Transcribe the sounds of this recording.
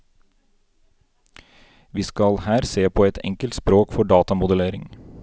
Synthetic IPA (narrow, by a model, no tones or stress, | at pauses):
ʋiːskɑlhæːɾseːpʰoːɛt̪ʰɛ̰ŋkəlt̪spɾoːkfɔɖɑːt̪ɑmʊd̪əleːɾɪŋ